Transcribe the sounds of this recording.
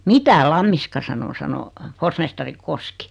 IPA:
mitæ lɑmːiskɑ sɑno sɑno forsmestɑri koski

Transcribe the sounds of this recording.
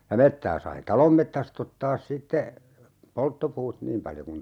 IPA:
jɑ metːæː sɑi tɑlom metːæst otːɑːs sitːe poltːopuːt niːm pɑljo kun

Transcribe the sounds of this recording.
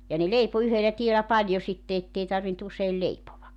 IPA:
jɑ ne leipo yhelæ tielæ pɑlʲjo sitːe etːei tɑrʋint useil leipoʋɑk

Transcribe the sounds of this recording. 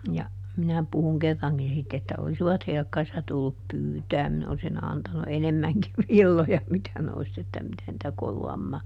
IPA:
jɑ minæ puhuŋ kerːɑŋkin sitː etːæ olsiʋɑt helkːɑrisːɑ tulːup pyːtæːm minæ olsin ɑntɑnu enemːæŋkiʋ ʋilːojɑ mitæ ne olis etːæ mitæ nĭtæ koluɑmːɑː

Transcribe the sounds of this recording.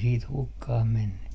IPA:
siːt hukːɑh menːy

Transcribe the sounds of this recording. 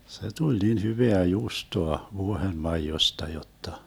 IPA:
se tulʲ nin hyʋeæ juːstoɑ ʋuohenmɑijostɑ jotːɑ

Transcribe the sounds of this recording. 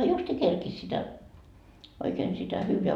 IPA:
justiː kerkis sitæ oikeːn sitæ hyːʋeæ

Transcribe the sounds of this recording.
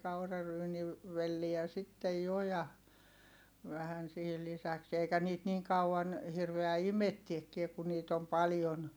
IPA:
ʋelːiæ sitːej jo jɑ ʋæhæn sihil lisæks eikæ niːt niːŋ kɑuɑn hirʋeæ imetːiekːie ku niːt om pɑljon

